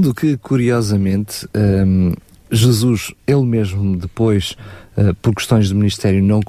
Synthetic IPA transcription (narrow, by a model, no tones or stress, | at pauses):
d̪ukɨkuɾiɔzɐmẽnt̪ɛ | ʒɨzuʃelˠmeʒmud̪ɨpojʃɛpɔɾkɨ̥ʃt̪õj̃ʒd̪ɨminiʃt̪ɛɾjunɐ̃w̃k